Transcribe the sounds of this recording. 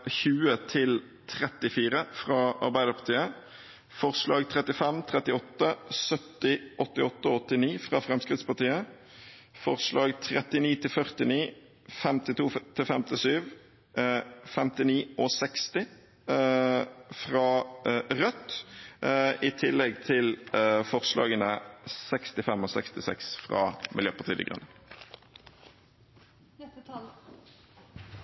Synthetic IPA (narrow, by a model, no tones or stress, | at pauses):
çʉːət̪ʰɪl | t̪ʰɾɛt̪ɪfiːɾəfʁɑɑ̰ɾbæɪd̪əpʰɑʁt̪ʰiːə | fɔʁslɑːɡt̪ʰʁɛt̪ːɪfɛmt̪ʰʁɛt̪ɪɔt̪ːəsœt̪ːɪʔɔt̪ːɪɔt̪ːəɔɔt̪ːɪniːfʁɑːfɾɛmskɾɪt̪spɑʁt̪iːə | fɔʁslɑːɡt̪ʰɾɛt̪ɪniːt̪ʰɪlfœʁt̪ɪniː | fɛmt̪ɪt̪uːt̪ʰɪlfɛmt̪ɪsyːʋ | fɛmt̪ɪniːʔosɛkst̪ɪ | fʁɑːʁœt̪ | ɪt̪ʰɪlːɛɡt̪ʰɪlfɔʁslɑ̰ːɡənəsɛkst̪ɪfɛmɔsɛ̰kst̪ɪsɛ̰ksfʁɑ̰ːmʔɪ̰ljøːpɑʁt̪iːd̪ɪ̰ɡʁʉ̰nə